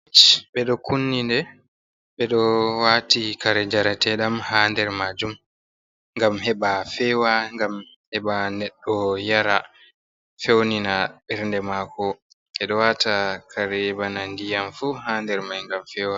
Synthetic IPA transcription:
t͡ʃɓɛɗɔkunːindɛ | ɓɛɗɔwaːtikaɾɛd͡ʒaɾatɛɗamhaːndɛɾmad͡ʒum | ŋɡamɦɛɓafɛːwaŋɡam | hɛɓanɛɗːɔjaɾa | fewninaɓɛɾndɛmakɔ | ɛɗɔwatakʰaɾɛbanandijamfuhaːndɛɾmajŋɡamfɛːwa

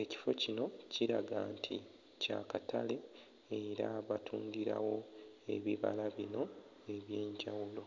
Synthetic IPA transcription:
e̞ci̥fo̞cino̞ciɾaɡaːntʰi | cakatʰale̞ː | ɾaβatʰuːŋɡiɾa̰wo̞e̞βiβa̰laβino̞ | e̞βje̞ːɲɟawulo̞

